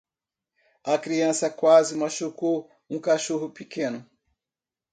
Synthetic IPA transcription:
ɐkɾiɐ̃sɐkwazɪmaʃukow | ũkaʃoɦʊpikẽnʊ

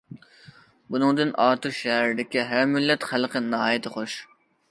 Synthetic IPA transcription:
bunɨŋd̪ɨnʔɑːt̪uʃɛɦæɾɪd̪ɪkʲiɦæɾmylːɛt̪χælqʰənɑɦɑːjɪt̪ʰɨχoʃ

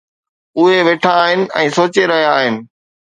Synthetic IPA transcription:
ʊɦeʋeːʈʰãːɦɪnɪ̆ɛ̃ːsoːt͡ɕeɾɐɦijaːɦɪnɪ̆

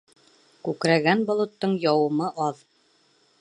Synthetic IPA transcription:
kʉkɾæɡænbŏlˠŏt̪ːɤɴjɑwɤ̆mɤʔɑð

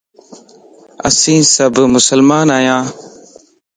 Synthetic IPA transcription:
ə̰sĩːsəbmʊsəlmaːnaːjãː

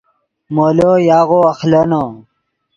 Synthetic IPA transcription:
moːlojaːɣoɐxlɐno

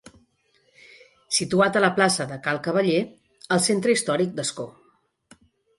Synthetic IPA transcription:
sit̪uat̪ələplasəðəkalˠkəβ̞əʎe | əlˠsent̪ɾəist̪ɔɾik̚d̪əsko

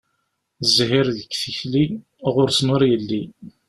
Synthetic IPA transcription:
zɦiɾðəkːθiçli | ʁʊɾsnʊɾjəlːi

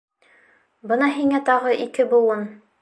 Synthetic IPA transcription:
bɤnɑɦiŋæt̪ɑʁɤʔikɘbulˠɤn

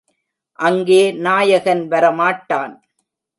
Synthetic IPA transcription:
ʔɐŋɡeːnaːjɐɣɐnʋɐɾɐmaːʈːaːn

